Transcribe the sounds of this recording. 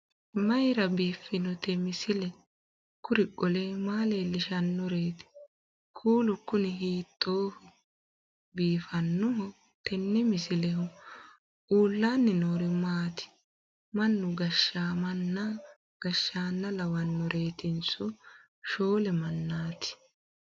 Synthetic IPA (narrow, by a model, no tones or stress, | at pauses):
mɐjɾɐbiːfːɪnɔt̪ɛmɪsɪlɛ | kʊɾɪkʼːɔlɛmaːleːlɪʃɐnːɔɾe̞ːt̪ɪ̥ | kʰuːlʊkːʊnɪɦiːt̪ʼːoːfɔ | biːfɐnːʊɦɔ | t̪ɛnːɛmɪsɪlɛɦʊ | uːlːaːnːɪnoːɾɪmaːt̪ɪ̥ | mɐnːʊɡɐʃːaːmɐnːɐ | ɡ̥ɐʃːaːnːɐlɐwɐnːɔɾʔe̞ːt̪ɪnsɔ | ʃo̞ːlɛmɐnːaːt̪ɪ̥